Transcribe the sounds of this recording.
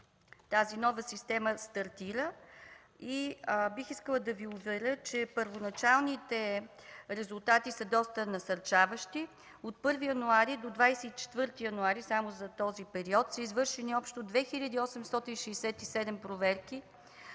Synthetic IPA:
t̪azinɔvəsist̪ɛməst̪ɐɾt̪iɾə | ibixiskəlˠəd̪ɐviʊvɛɾət͡ʃɛpəɾvonɐt͡ʃalˠnit̪ɛ | ɾɛzulˠt̪at̪isəd̪ɔst̪ənɐsɐɾt͡ʃavəʃt̪i | ot̪̚pɤɾvijɐnuaɾid̪od̪vajsɛit͡ʃɛ̥t̪vɤɾt̪ijɐnuaɾisamozɐt̪ɔzipɛɾiɔt̪səizvɤɾʃɛniɔpʃt̪od̪vɛxiʎʲəd̪iːɔsɛmst̪ɔt̪inʃɛsɛt̪isɛd̪ɛmpɾovɛɾki

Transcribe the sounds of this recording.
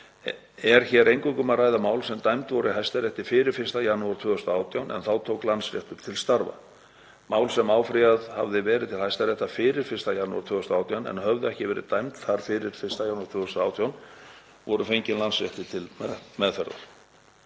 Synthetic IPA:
ɛɾ̥çɛːɾejŋkʏŋkʏmaraːjðamaːwlsɛmt̪ajmt̪vɔɾʏɪɦajst̪aɾɛht̪ɪ̥fɪːɾɪɾ̥fɪrst̪ajanːuaɾ̥t̪ʰvʏːɣʏst̪aaːwt̪jawnɛ̰nθawt̪ʰowklansɾɛht̪ʏɾ̥t̪ʰɪlst̪aɾva̰ | maːwlsɛmaːwfɾiaðha̰vðɪvɛːɾɪðt̪ʰɪlhajst̪aɾɛht̪afɪːɾɪɾ̥fɪrst̪ajanːuaɾt̪ʰvʏːɣʏst̪aːwt̪ʰjawnɛ̰nɦœvðʏɛhcɪvɛːɾɪ̰t̪ajmt̪θaɾ̥fɪɾɪɾ̥fɪrst̪ajanuḁɾt̪ʰʏːɣʏst̪aːwt̪ʰjawn | vɔɾʏfejɲcɪnlansɾjɛht̪ɪt̪ʰɪlmɛðfɛɾða̰ɾ̥

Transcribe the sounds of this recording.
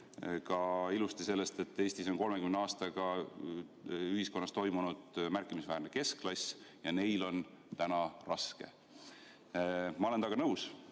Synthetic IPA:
kɑilust̪ise̞lːe̞st̪e̞t̪ːˑe̞ːsʲt̪iso̞nko̞lme̞kymneɑːst̪ɑɡ̥ɑ | yɦiskonːɑst̪o̞jmunud̪̥mærkːˑimisvæːɾneke̞sklɑsʲjɑne̞jlo̞n | t̪ænɑrɑske̞̰ | mɑole̞nt̪ɑɡɑnɤws

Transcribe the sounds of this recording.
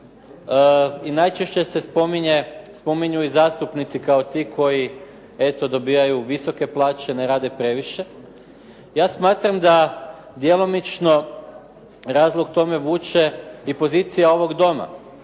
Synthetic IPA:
inajt͡ʃeʃt͡ɕe̞se̞spomiɲespo̞miɲuizaːst̪upnit̪sikao̞t̪iːkʰo̞ji | e̞t̪o̞d̪o̞biːajuʋiso̞ke̞plˠaːt͡ʃeneɾaːd̪e̞pɾe̞ʋiʃe̞ | jaːsmaːt̪ɾamd̪a | d̪je̞lo̞mit͡ʃno̞ | ɾaːzlˠoɡ̚t̪o̞me̞ʋuːt͡ʃe̞ipo̞ziːt̪sijao̞ʋo̞ɡd̪o̞ma̰

